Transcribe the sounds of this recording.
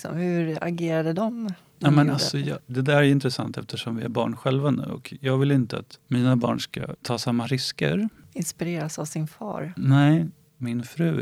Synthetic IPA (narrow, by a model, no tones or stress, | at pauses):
sɔ̰mhɵɾa̰ɡeːɾad̪əd̪ɔm | jɑːmɛnalsɔjɑd̪ɛd̪æːɾɪnt̪ɾɛsant̪ɛft̪əʂɔmvɪæɾbɑ̰ːɳɧɛlvanʉ̟ːɔ̰kjɑːɡvɪlɪnt̪əa̰t̪miːnabɑ̰ːɳʂka̰t̪ʰɑːsamːaɾɪskə̰ɾ | ɪnspɪɾeːɾasavsɪnfɑ̰ːɾnɛɪ | mɪnfɾʉ̟ː